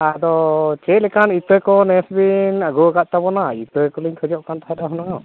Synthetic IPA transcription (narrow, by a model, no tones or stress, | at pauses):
ad̪ɔt͡ʃɛt̪̚lɛkanit̪əjkɔnɛsbinaɡɔɡaʔ̪̚t̪abɔnait̪əjkɔliɲkʰəd͡ʒɔʔkant̪ʰaɛd̪aɦunaŋɔ